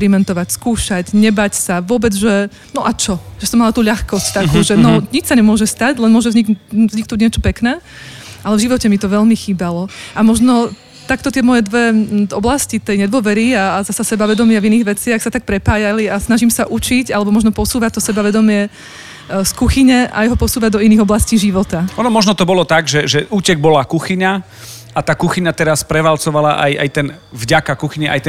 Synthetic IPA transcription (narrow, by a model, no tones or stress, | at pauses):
ɾimɛnt̪ɔʋacskuːʃaɟɲɛbacsaʋʊɔbɛd͡zʒɛ | nɔʔat͡ʃɔʒ̥ɛsɔmːalat̪uːʎaxkɔsct̪akuːʒɛnɔɲit͡ʃsaɲɛmʊɔʒɛst̪aɟlɛnmʊɔʒɛvzɲikzɲiknuɟɲɪɛt͡ʃɔ̥pɛknɛː | ʔalɛvʒiʋɔcɛmit̪ɔʋɛʎmixiːbalɔʔamɔʒnɔ | t̪akt̪ɔt̪ɪɛmɔjɛd̪ʋɛʔɔblascit̪ɛjɲɛd̪ʋɔʋɛɾiaːzasasɛbaʋɛd̪ɔmɪaviniːɣʋɛt͡sɪaxsat̪ak̚pɾɛpaːjaliasnaʒimsaʔut͡ʃiɟalɛbɔmɔʒnɔpɔsuːʋac̚t̪ɔsɛbaʋɛd̪ɔmɪɛ | skuxiɲɛʔa̰jɦɔpɔsuːʋad̪ɔiniːɣɔblasciːʒiʋɔt̪aɔːnɔmɔʒnɔt̪ɔbɔlɔt̪aɡʒɛʒɛʔuːcɛɡ̚bɔlakuxiɲa | at̪aːkuxiɲat̪ɛɾaspɾɛʋalt͡sɔʋalaʔa̰ja̰jt̪ɛn | vɟakakuxiɲɛʔa̰jt̪ɛ